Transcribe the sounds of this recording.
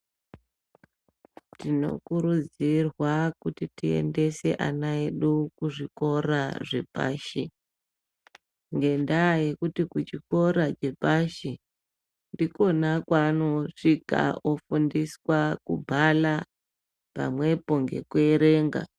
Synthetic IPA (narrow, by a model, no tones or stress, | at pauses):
tino̞̰kuɾud͡zirwakutitie̞̰nde̞se̞ʔa̰naeɗukuʐiko̞raʐe̞̰pa̰ːʃi | ŋɡe̞ndaje̞kutikut͡ʃiko̞ɾad͡ʒe̞paʃi | ndiko̞nakwanoʂika̰ofundiswakubʱala | pa̰mwe̞po̞ŋɡe̞̰kueɾe̞ːŋɡa̰